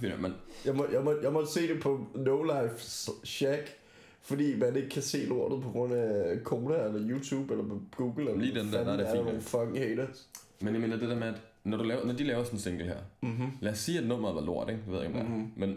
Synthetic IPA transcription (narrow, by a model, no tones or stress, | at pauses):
fimenjɑɪmɒjɑ̈ɪmɒ̥jɑ̈ɪmɒ̽d̥se̝̰ːd̥e̝pʰɒ̽noʊlaɪfsɕæɡ̥ | fɒd̥ḭːʋædeɡ̥̚kʰæse̝̰ːlo̝ɐ̰d̥ð̩ˠpʰɒ̽ɡ̥ʁɔ̽n̰ækʰoːɾæelɐjuːt͡sʰuːb̥elɐpʰɒ̽ɡ̥uːɡ̥l̩elliːdend̥æɐæddḭnon̩fɒŋheɪɾɐ | menjɑɪme̝ːnɐd̥e̝d̥æɐmeæd̥nɒɾ̥ulɛːʊɐnɒd̥ilɛːʊɐsɒnsdeŋɡ̥l̩ɦæɐ̰læːsːiːæd̥nɔ̽m̰ɐðˠʋɑ̈lo̝ɐ̰d̥eɡ̥deʋe̝ð̰ˠeɡmd̥men